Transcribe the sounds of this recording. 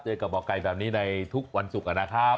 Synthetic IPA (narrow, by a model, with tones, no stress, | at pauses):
t͡ɕɤː˧ka˨˩p̚bɔː˨˩ka˧˩jbɛː˨˩p̚niː˦˥na˧jt̪ʰu˦˥k̚wa˧nsu˨˩k̚ʔa˧naː˧˩kʰaː˥˩